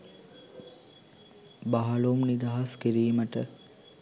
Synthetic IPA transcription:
baɦɐlumnid̪aɦaskiɾiːməʈə

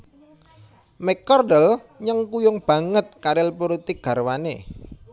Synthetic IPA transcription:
mɛkɔrdəlɲəŋkujʊŋb̥ä̤ŋət̪̚kaɾɪlpuɾut̪iɡ̥a̤rwane

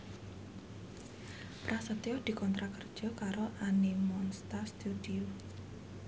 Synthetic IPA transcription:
pɾʔasət̪eɔd̪̥i̤kɔnt̪ɾakərd̥ʒ̥ɔ̤kaɾoʔanimɔnst̪ast̪ud̪io

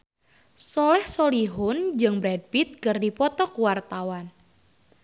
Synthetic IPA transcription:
sɔlɛhsoliɦʊnd͡ʒɨŋbɾɛd̚pit̪̚kɨrdipɔt̪ɔkuwart̪awan

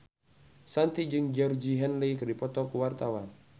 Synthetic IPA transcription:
sant̪id͡ʒɨŋd͡ʒɔrd͡ʒiɦɛnlikdipɔt̪ɔkuwart̪awan

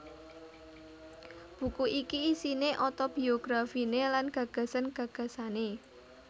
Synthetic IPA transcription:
b̥ṳkuʔikiːsineʔɔt̪ob̥i̤oɡ̥ɾafinelanɡ̥ä̤ɡ̥ä̤sanɡ̥ä̤ɡ̥ä̤sane

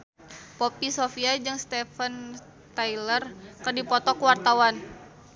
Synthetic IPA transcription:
popisofiad͡ʒɨŋst̪ɛfən | t̪ailərkɨrdipɔt̪ɔkuwart̪awan

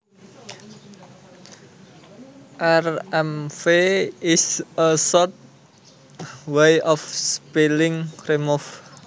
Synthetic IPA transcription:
ʔɛrɛmfeisəsɔt̪̚ | wejʔɔfspilɪŋkremɔf

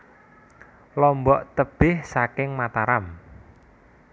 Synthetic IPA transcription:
lɔmbɔʔt̪əb̥ɪhsakɪŋmat̪aɾam

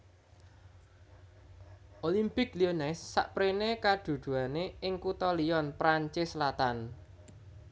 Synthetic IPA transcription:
ʔolimpɪklionɛsːa̰ʔpɾenekaɖ̪̥ṳd̪̥ṳaneʔɪŋkut̪ɔliɔnpɾaɲt͡ʃɪslat̪an

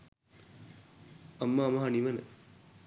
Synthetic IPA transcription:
ɐmːaːmɐɦaniʋənə

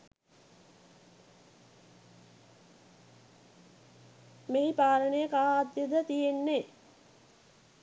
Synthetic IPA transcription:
meɦipaːɾənejəkaɦaːd̪jəd̪ət̪ijenːe

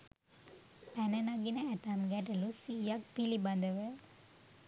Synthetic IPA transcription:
pænənaɡinəæt̪amɡæʈəlusijak̚pilibad̪əʋə

